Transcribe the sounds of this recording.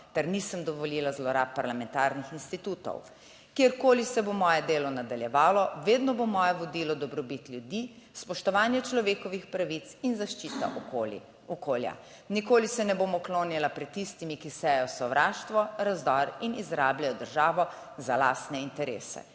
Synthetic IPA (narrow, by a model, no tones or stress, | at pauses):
t̪ɛɾnisəmd̪ɔʋɔliːlazlɔɾap̚ːaɾlamɛnt̪aːɾnixinst̪it̪uːt̪ɔ̰w | kjeɾkoːlisɛbomɔːjɛd̪eːlɔnad̪aljɛʋaːlɔʋeːd̪nɔbomɔːjɛʋɔd̪iːlɔd̪ɔbɾɔbit̪ljud̪i | spɔʃt̪ɔʋaːnjɛt͡ʃlɔʋeːkɔʋixpɾaʋit̪sinzaʃt͡ʃiːt̪a̰ʔɔol | ɔkoːlja̰ | nikoːlisɛnɛboːmɔkloːnjilapɾɛt̪ːist̪imikisɛjɛjɔsɔʋɾʔaːʃt̪ʋɔɾazd̪ɔɾinizɾaːbljajɔd̪əɾʒaːʋɔ | zala̰ːst̪nɛint̪ɛɾḛːsɛ̰